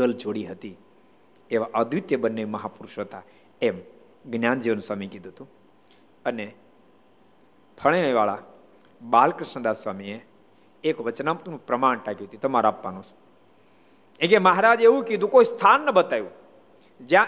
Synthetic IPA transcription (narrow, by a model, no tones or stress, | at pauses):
ɡəld͡ʒoɽiɦət̪i | eʋaʔəd̪ʱʋit̪jəbənːeʋiməɦapuɾʃʋət̪a | em | ɡnjand͡ʒiʋənsʋamikid̪ʱuɦət̪ũ | əne | t̪ʰəɭ̃eɭeʋaɭa | balkɾɪʃɳəd̪asʋamie | ekʋət͡ʃnamt̪unũpɾəmaɳʈakiɦət̪it̪əmaɾapːanõt͡ʃʰ | ẽkeməɦaɾad͡ʒeʋũkid̪ũkoist̪ʰanːəbət̪ajũ | d͡ʒjã